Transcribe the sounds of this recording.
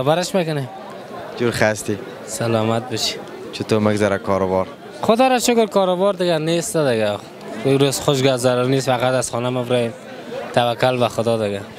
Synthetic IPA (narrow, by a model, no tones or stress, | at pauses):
abaɾɪʃmekʊnem | d͡ʒuɾχast̪i | salɔmat̪̚bɔʃi̥ | t͡ʃʰɪt̪omɪɡzaɾakʰɔɾʊbɔɾ | χʊd̪ɔɾaʃʊkʊɾkʰɔɾʊbɔɾd̪ɪɡanest̪ad̪ɪɡa | ɾozχʊʃ̬ɡazaɾʊɾnesfaqat̪az̥χɔnamɪbɾɔm | t̪ʰavakːʊlbaχʊd̪ɔd̪ɪɡa